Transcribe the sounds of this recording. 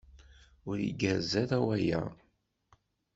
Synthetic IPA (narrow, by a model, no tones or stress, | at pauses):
ʊɾḭɡæɾzæðæwæjæ̰